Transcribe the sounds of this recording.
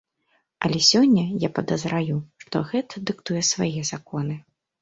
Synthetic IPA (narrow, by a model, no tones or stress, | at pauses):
ɐlʲɛsʲɔnʲːɐjapɐd̪ɐzɾajuʂt̪ɔ̰ɣɛt̪ʰɐd̪ɨkt̪ujɛsvajɛzakɔnɨ